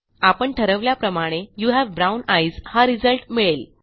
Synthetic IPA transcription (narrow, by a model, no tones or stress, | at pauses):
apəɳʈʰəɾəʋljapɾəmaɽ̃ejuɦæʋbɾawnajzhaɾid͡zəlʈmiɭel